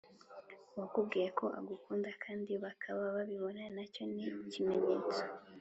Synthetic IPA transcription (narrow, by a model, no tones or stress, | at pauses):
uwakubɡiːɾakʰo̞ʔaɡukuːndakʰaːndiβakʰaβaβaβiβo̞nanaco̞nicime̞ɲeːt͡sḁ